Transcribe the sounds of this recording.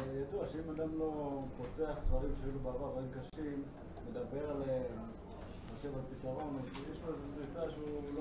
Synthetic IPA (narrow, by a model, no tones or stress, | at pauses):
jad̪uaʃeimad̪amlo̞po̞te̞aχtvaʁimʃeajilubaavaʁikaʃimː | e̞d̪abe̞ʁale | χoʃevalpit̪aʁo̞njɛʃlozesʁifaʃeul